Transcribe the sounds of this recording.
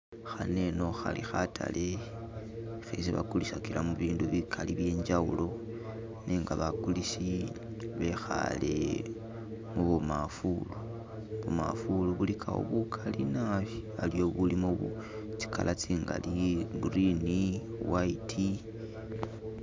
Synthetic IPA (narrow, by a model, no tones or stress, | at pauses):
xane̞noxalʔixatʰa̰lʔe̞ | xesiβa̰kuliʃakilamuβiːnduβikʰaliβje̞ːɲd͡ʒawulo̞ | nʔiŋɡaβakulisi | βe̞xa̰le | muβumafulu | βuma̰fuluβulikʰawo̰βukʰalinaβialijo̞βulimoβu | t͡si̥kʰalʔat͡siːŋɡa̰liɡurini | waitʰi